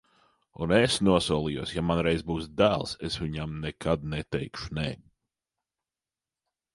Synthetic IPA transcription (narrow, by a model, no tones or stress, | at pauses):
ṵnɛsnuɔsuɔlˠijuɔsjamanɾɛjzbuːsd̪æːlˠsesʋʲiɲamnɛkʰad̪nɛt̪ɛjkʃunɛ̰ː